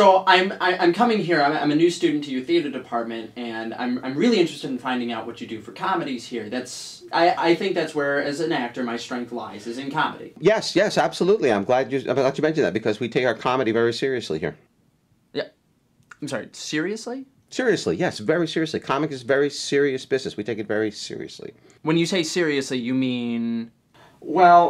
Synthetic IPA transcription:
soʊʔãɪ̃mãɪʔãɪ̃mkʰʌmɪ̃ŋɦiɹãɪ̃mã̰ɪ̃mɨnʉstʉdⁿn̩tʰɨjɨθiɨɾə˞dɨpʰɑɹt̚mɨ̃ntɨ̃nã̰ɪ̃mãɪ̃mɹɪlˠiɪ̃nt͡ʃɹ̥ɨstɨɾn̩fãɪ̃ndɪ̃ŋaʊʔ̚wʌt͡ʃɨdɨfə˞kʰɑmɨɾiz̥hiɹðæts | ʔaɪʔaɪθɪ̃ŋk̚ðætswə˞ɨzɨ̃næk̚tə˞maɪstɹ̥ɛ̃ŋk̚θla̰ɪzɨzɨ̃nkʰɑmɨ̰ɾḭjɛsjɛsæb̥səlutˡliãɪ̃mɡlæd͡ʒɨã̰ɡat͡ʃɨmɛ̃nʃɨn̩ðæt̚b̥ɨkʰʌzwitʰeɪkaə˞kʰɑmɨɾivɛɹisɪɹiɨslḭhḭɹ | jɛ | ãɪ̃msɑɹḭsɪɹiɨsli | sɪɹiɨslḭjɛsvɛɹisɪɹiɨslikʰɑmɨkɨzvɛɹisɪɹiɨsb̥ɪznɨswitʰeɪkɨtvɛɹisɪ̰ɹḭɨ̰slḭ | wɨ̃njɨseɪsɪɹiɨslijɨmĩn | wɛlˠ

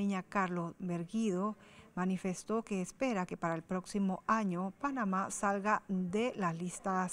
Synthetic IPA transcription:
iɲakaɾlosβe̞ɾɣiðo | manife̞st̪o̞ke̞ːspe̞ɾake̞paɾaelpɾo̞ksimo̞aɲopanamasalɣad̪e̞laslist̪as

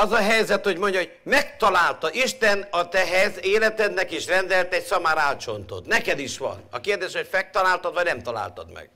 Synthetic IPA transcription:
ɒzɒɦɛjzɛt̪ho̞ɟmo̞ɲɟɒɦoɟ̚mɛk̚t̪ɒlaːlt̪ɒʔiʃt̪ɛnɒt̪ɛɦɛzeːlɛt̪ɛd̪nɛkiʃrɛnd̪ɛlt̪ɛcsɒmaːɾaːlt͡ʃo̞nt̪o̰t̪nɛkɛd̪iʃʋɒ̰nɒ̰keːrd̪eːʃho̞cfɛk̚t̪ɒlaːlt̪ɒd̪ʋɒɟnɛmt̪ɒla̰ːlt̪ɒd̪mɛ̰ɡ̥

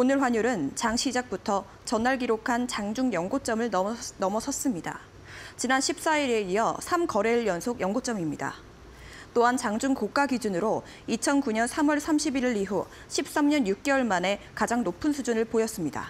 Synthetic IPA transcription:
onɯɭɸwaɲuɾɯnt͡ɕaŋɕʰid͡ʑak̚putʰʌ | t͡ɕʌnːaɭɡiɾokʰant͡ɕaŋd͡ʑuŋjʌŋɡot͡ɕ͈ʌmɯɭnnʌmʌsʰʌs͈ɯmɲida̰ | t͡ɕinanɕʰip̚s͈aiɾe̞ijʌsʰamkʌɾe̞ɭjʌnsʰoɡjʌŋɡot͡ɕ͈ʌmimɲida̰ | t͈oɦant͡ɕaŋd͡ʑuŋkok͈aɡid͡ʑunɯɾo | it͡ɕʰʌnkuɲʌnsʰamwʌɭsʰamɕʰibiɾiɾiɦu | ɕʰip̚s͈amɲʌnjuk̚k͈ewʌɭmane̞ | kad͡ʑaŋnopʰɯnsʰud͡ʑunɯɭpojʌs͈ɯmɲida̰

